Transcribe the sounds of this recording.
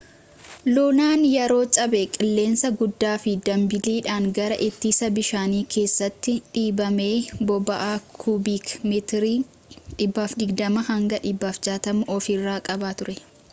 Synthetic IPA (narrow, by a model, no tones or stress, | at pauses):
loːnaːnjɛɾo̞ːt͡ʃʼɐbekʼɪlːe̞ːnsɐɡʊd̪ːaːfɪd̪ɐmbɪliːᶑaːŋɡɐɾɐʔɪt̪ːiːsɐbɪʃaːniːkʰe̞ːsːɐt̪ːɪᶑiːbɐme̞ːbɔbɐʔaːkʰubiːkmɛt̪ɾi | ᶑɪbːaːfd̪ɪɡd̪ɐmɐhɐŋɡɐᶑɪbːaːfd͡ʒaːt̪ɐmʊʔɔfɪrːaːkʼɐbaːt̪ʊɾɛ